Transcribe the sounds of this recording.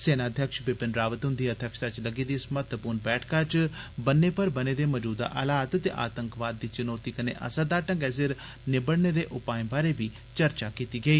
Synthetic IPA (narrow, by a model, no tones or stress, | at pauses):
seːnaːd̪ʱjəkʃbɪpɪnɾaːʋət̪ɦʊnd̪iːəd̪ʱjəkʃt̪at͡ʃləɡiːd̪iːsmət̪ːəpuːɾnbɛːʈʰkaːt͡ʃbənːeːpəɾbəneːd̪eːməd͡ʒuːd̪a̰ːʔəlaːt̪t̪ḛːʔa̰ːt̪əŋkʋaːd̪̚ːiːt͡ʃʊnoːt̪iːkənḛːʔə̰sad̪aːʈə̃ŋɡɛːs̬ɪɾ | nɪbəɽneːd̪eːʔʊpaːĩbaːɾeːbiː | t͡ʃəɾt͡ʃaːkiːt̪iːɡəiː